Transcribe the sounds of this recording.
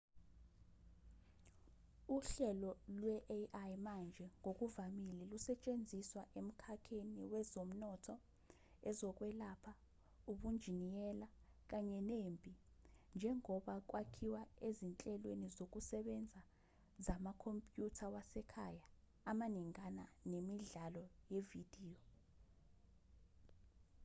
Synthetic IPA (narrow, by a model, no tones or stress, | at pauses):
uɬɛlɔlwɛʔʔajmand͡ʒʱɛŋok̬ʼuvamilɛlusɛt͡ʃʼend͡zʱiswaʔem̩kʰakʰeniwɛzom̩nɔtʰɔ | ɛzɔk̬ʼwɛlapʰa | uɓund͡ʒʱinijɛlak̬aɲɛnembʼʱi | nd͡ʒʱɛŋɔɓak̬wakʰiwaezint͡ɬʼɛlwenizok̬usɛɓɛnd͡zʱa | zamakʰompʼjutʰawasɛkʰajaː | maniŋananemiɮalɔjevid̥ʱiːɔ